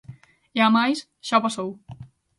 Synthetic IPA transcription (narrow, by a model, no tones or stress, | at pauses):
eamajs | ʃɔpasow